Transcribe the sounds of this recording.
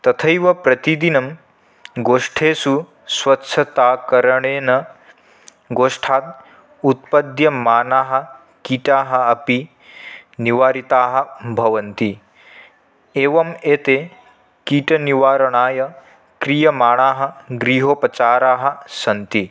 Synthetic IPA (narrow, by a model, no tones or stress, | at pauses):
t̪ɐt̪ʰɐjʋɐpɾɐt̪id̪inɐm | ɡoːʂʈʰeːsu | sʋɐtːʃʰɐt̪aːkɐɾɐɳeːnɐ | ɡoːʂʈʰaːt̪̚ | ut̪̚pɐd̪jɐmaːnaːɦɐ̆ | kiːʈaːɦɐ̆ɐpi | niʋaːɾit̪aːɦɐ̆bʱɐʋɐnt̪i | eːʋɐmeːt̪eː | kiːʈɐniʋaːɾɐɳaːjɐ | kɾijɐmaːɳaːɦɐ̆ɡɾiːɦoːpɐt͡ʃaːɾaːɦɐ̆sɐnt̪i